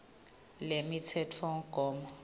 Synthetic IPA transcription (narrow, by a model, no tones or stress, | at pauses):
lemitʰɛtʰfɔŋɡ̥ʱɔːmɔ